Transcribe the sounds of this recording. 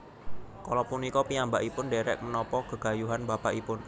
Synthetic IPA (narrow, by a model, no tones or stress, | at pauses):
kɔlɔpunikɔpiambaʔipʊnɖeɾɛ̰ʔ̚mənɔpɔɡ̥ə̤ɡ̥a̤juɦanbapa̰ʔipʊn